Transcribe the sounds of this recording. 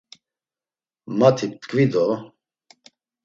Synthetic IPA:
mat̪ʰip̚t̪kʼvid̪ɔ

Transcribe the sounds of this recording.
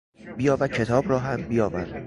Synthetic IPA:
bijɒːvæd̪̚kʰe̞t̪ʰɒːbɾɒːɦæmbijɒːvæɾd̪

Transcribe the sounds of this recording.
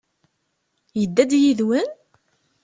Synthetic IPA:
jəd̪ːæd̪jiðwən

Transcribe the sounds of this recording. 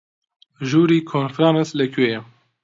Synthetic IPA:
ʒuːɾiːkʰonfɾɑːnslɛkʰwejɛ

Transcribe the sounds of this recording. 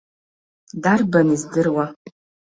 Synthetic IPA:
darbanizdɨrwa

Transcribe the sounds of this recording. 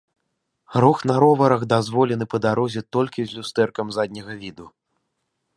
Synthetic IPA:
ɾɔxnaɾɔvɐɾɐɣd̪azvɔlʲɛn̪ɨpɐd̪aɾɔzʲɛt̪ɔlʲkʲizʲlʲust̪ɛrkɐmzad̪ʲnʲɐɣɐvʲid̪u

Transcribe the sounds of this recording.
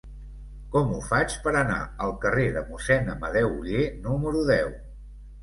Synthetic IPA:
kɔmufat͡ʃpəɾəna̰əlˠkəreðəmusɛnəməðɛwuʎenuməɾuðɛw

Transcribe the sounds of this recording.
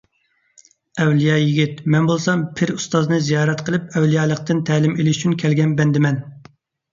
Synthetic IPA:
ɛwlijɑjiɡʲit̪mɛnbolˠsɑmpʰɪɾust̪ɑznɨzijɑːɾɛt̪qʰəlˠɪpɛwlijɑːlˠəq̚t̪ɨnt̪ʰæːlɪmelɪʃy̥t͡ʃʰynkʲʰɛlɡʲɛnbɛnd̪ɪmɛn

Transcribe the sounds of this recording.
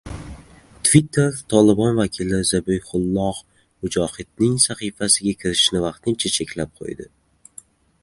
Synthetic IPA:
t̪ʰvit̪ʰːe̞ɾt̪ʰɒlɪbɒnvakʲʰɪlɪzabɪjχʊlˠːɒʁ | mʊd͡ʒɒhɪd̪̥̚nɪŋsaχijfasɪɡʲakʲʰɪɾɪʃnɪvɑqt̪ʰɪnt͡ʃʰat͡ʃʰe̞kʲʰlap̚qʰo̰jd̪ɪ

